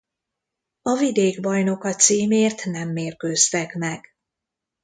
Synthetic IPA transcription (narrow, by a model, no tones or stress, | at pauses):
ɒvid̪eːɡbɒjno̞kɒt̪siːmeːrt̪nɛmːeːrkøːst̪ɛkmɛɡ̥